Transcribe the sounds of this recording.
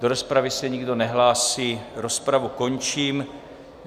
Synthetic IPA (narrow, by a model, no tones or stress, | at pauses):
do̞ɾo̞spɾavɪsɛɲɪɡdo̞nɛɦlaːsiːɾo̞spɾavuko̞ɲt͡ʃiːm